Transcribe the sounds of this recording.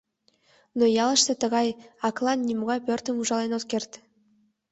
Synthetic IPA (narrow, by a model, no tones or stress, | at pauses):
nojɑlˠɤ̆ʃsɤ̆t̪ɤ̆ʁɑjɑklˠɑnːʲimoʁɑjpʲørʲt̪ə̆muʒɑlˠɑnot̪kʲerʲt̪ʲ